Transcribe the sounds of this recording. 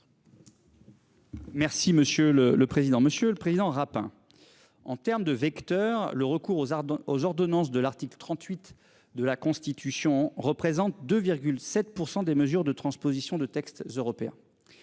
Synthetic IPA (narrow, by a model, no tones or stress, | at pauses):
mɛʁsiməsjølələpχezid̪ɑ̃məsjøləpχezid̪ɑ̃ʁapɛ̰̃ | ɑ̰̃t̪ɛʁmd̪əvɛkt̪œːʁləʁəkuʁozɔʁd̪ɔnɑ̃s̬d̪əlaʁt̪iklət̪χɑ̃t̪ɥit̪ | d̪əlakɔ̃st̪it̪ʰysjɔ̃ʁəpχezɑ̃t̪̚d̪øviʁɡʲylsɛt̪̚puʁsɑ̃d̪eməzyʁd̪ət̪χɑ̃spozisjɔ̃d̪ət̪ɛkst̪zøʁɔpeɛ̰̃